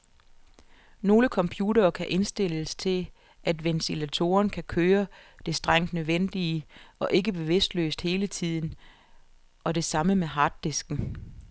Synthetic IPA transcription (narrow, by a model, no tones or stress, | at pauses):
no̝ːləkʰɒ̽mpʰjuɾɐːkʰæʔe̝nsd̥e̝l̰əst͡sʰe̝ | æd̥ʋent͡sʰilæt͡sʰo̝̰ːɐnkʰækʰøːɐd̥e̝sd̥ʁaŋ̰d̥nøðˠʋen̰d̥iəɒ̽ʔe̝ɡəb̥e̝ʋe̝sd̥lø̰ːsd̥he̝ːlət͡sʰið̞̰ˠn̩ | ʔɒ̽de̝sɑ̈məmeɦɑ̈ːd̥ːesɡ̥n̩